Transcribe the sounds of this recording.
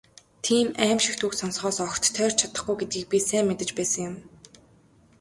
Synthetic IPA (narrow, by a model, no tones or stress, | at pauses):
t̪ʰiːmæːmʃɪ̆kt̪uksɔnsχɔːsɔxt̪ʰːœːr̥t͡ɕʰat̪ə̆χɡujɡet̪ɡiːk̚pʲisæːmːet̪ɘ̆t͡ɕpæːsə̆ŋjʊm